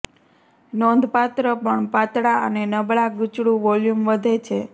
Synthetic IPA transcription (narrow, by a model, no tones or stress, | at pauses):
nɔnd̪ʱpat̪ɾəpəɳpat̪ɽaə̰nenəbɭaɡʊt͡ʃɽũʋɔljumʋəd̪ʱet͡ʃʰe